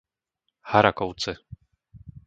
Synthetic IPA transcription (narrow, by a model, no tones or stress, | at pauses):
haɾakɔwt͡sɛ